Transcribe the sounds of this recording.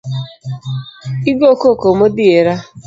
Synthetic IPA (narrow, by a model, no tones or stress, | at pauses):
iɡokokomodɪeɾa